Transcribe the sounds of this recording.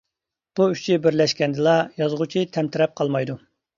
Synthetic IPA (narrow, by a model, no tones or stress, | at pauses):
b̥uyt͡ʃʰibɪɾlɛʃkʲɛnd̪ɨlˠɑjɑzʁʊt͡ʃʰit̪ʰɛmt̪ʰɪɾɛp̚qʰɑlˠmɑjd̪u